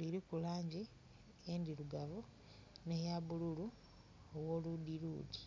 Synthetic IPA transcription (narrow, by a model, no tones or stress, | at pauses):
liɾikulaːɲɟi | endiluɡaβu | nehjaβululu | owoludiluːdi